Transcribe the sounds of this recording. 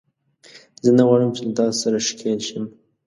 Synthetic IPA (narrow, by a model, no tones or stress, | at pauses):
zənaɣɑɻəmt͡ʃelad̪ɑsaɾaʃkʰelʃəm